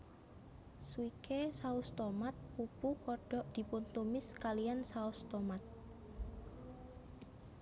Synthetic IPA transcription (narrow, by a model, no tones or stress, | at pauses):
swikesaust̪ɔmat̪̚pupukɔɖ̥ɔʔd̪̥i̤punt̪umɪskalijansaust̪ɔmat̪̚